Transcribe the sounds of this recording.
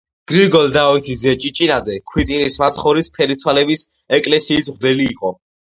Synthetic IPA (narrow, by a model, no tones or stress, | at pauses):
ɡ̥ɾiɾɡɔlˠd̪ait̪ʰizɛt͡ʃʼit͡ʃʼinad̪zɛkʰwit̪ʼiɾismat̪ʰχɔɾispʰɛɾit̪sʰwalɛbis | ɛkʼlɛsiːsʁd̪ɛliːqʼɔ